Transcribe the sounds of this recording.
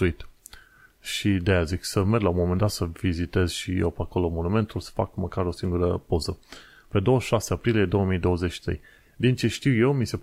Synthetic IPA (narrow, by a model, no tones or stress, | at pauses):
uit̪ | ʃid̪ejaziksəmerɡlaumo̞mend̪at̪səvizit̪e̞z̥ʃijewpeako̞lomo̞nume̞nt̪ulsə̥fa̰kməkaɾo̞siŋɡuɾəpo̞zə | pe̞d̪o̞wəʃʃaseapɾilije̞d̪o̞wəmijd̪o̞wəze̞t͡ʃʃi̥t̪ɾej | d̪int͡ʃe̞ʃt̪iwje̞wmise̞p